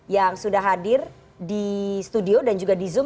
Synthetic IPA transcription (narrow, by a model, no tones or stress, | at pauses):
jaŋsudahɦadɪr | dist̪udiodand͡ʒuɡadizʊm